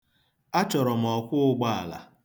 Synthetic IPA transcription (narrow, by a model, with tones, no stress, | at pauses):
a˦t͡ʃɔ˨ɾɔ˨m̩˨ɔ˨kʷʊ˦ʊ˦ɡ͡ba˦a̰˨la̰˨